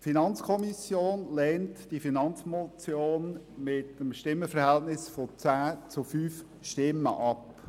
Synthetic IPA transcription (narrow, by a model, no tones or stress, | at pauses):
finɑnt͡skʰɔmisjoːnlɛːntd̥ifinɑnt͡smot͡sjoːnmɪtəmʃtɪmːəfəɾhɛltnɪsfot͡sæːt͡sʊfyːf | ʃtɪmːə̰ʔɑp